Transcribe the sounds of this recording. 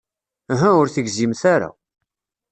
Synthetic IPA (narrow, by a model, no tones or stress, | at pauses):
æɦæʊɾθəɡzimθaɾa̰